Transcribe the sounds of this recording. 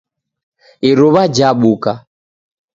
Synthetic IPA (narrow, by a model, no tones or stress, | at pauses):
iɾuβad͡ʒaɓuka